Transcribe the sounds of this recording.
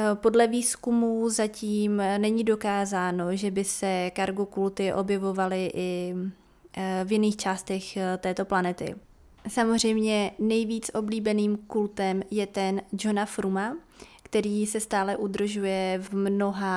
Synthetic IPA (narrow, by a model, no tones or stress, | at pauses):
po̞dlɛviːskumuzaciːmnɛɲido̞kaːzaːno̞ʒɛbɪsɛkaɾɡokult̪ɪʔo̞̰bjɛvo̞valɪʔɪ | vjɪniːxt͡ʃaːst̪ɛxt̪ɛːt̪o̞planɛt̪ɪ̰ | samozr̝ɛjmɲɛnɛjviːt͡sʔo̞bliːbɛniːmkult̪ɛmjɛt̪ɛnd͡ʒonafɾuma | kt̪ɛɾiːsɛst̪aːlɛʔud̪r̩ʒujɛvmno̞ɦa